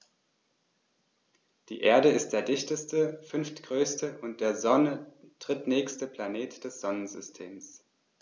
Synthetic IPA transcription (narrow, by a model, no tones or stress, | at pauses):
d̥ḭːʔeːɐdəɪst̚d̥eːɐdɪçtəstəfʏnftɡ̥ʁøːstəʔʊnt̚d̥eːɐzɔnə | d̥ʁ̥ɪtnɛːçstəplaneːtd̥ɛsz̥ɔnənzʏstʰeːms